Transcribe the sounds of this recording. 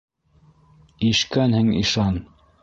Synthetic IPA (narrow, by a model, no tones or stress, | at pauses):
iʃkænhɘŋḭʃɑn